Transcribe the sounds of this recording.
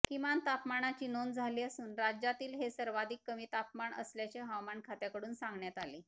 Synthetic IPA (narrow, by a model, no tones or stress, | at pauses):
kimant̪apmaɳat͡ɕiːnond͡zʱaliːəsuːnɾad͡ʑat̪iːlɦesəɾʋad̪ʱikːəmiːt̪apmaɳə̰sljat͡ɕeɦawmaɳkʰat̪jakəɽuːnsãŋɡɳjat̪alḭː